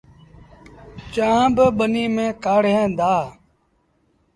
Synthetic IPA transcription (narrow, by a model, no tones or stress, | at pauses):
t͡ʃãːbɓəniːmẽːkaːɽ̤ẽːd̪aː